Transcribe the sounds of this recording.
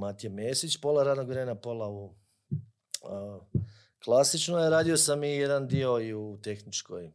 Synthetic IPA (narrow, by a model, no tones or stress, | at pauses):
mat̪ijemeːsit͡ʃpo̞laɾaːd̪noɡʋɾenapo̞lˠau | klˠasit͡ʃnojeɾaːd̪io̞samijed̪and̪io̞iut̪e̞xnit͡ʃkoj